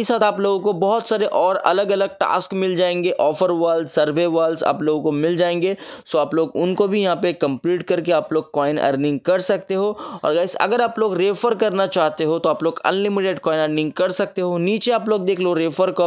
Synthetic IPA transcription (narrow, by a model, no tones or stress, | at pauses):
isaːt̪aːploːɡõkobɔɦʊt̪saːɾeʔɔːɾɐ̰ləɡɐləɡ̚ʈa̰ːskmɪld͡ʒaːẽːŋɡeʔɔːfəɾʋaːlzsɐɾʋeʋaːlza̰ːploːɡõkomɪld͡ʒaːẽːŋɡesoːaːploːɡʊnkobʱijɐɦãpekɐ̃mpliːʈkɐɾkeaːploːɡ̚kɔːɪnɛ̰ːɾnɪ̃ŋɡ̚kɐɾsɐk̚t̪eɦoːɔ̰ːɾɡaɪsɐ̰ɡəɾaːploːɡɾeːfəɾkɐɾnat͡ʃaːɦt̪eɦot̪oaːploːɡɐ̰̃nlɪmɪʈeːɖkɔːɪnɛːɾnɪ̃ŋɡ̚kɐɾsɐk̚t̪eɦoniːt͡ʃeaːploːɡ̚d̪eːkʰleoɾeːfəɾkɐ